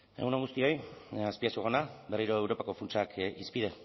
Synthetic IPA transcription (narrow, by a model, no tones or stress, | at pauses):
eɣunaŋɣust̪io̞jaspiasuɣonabe̞riɾoewɾo̞pako̞funt͡ʃakʰispið̞e̞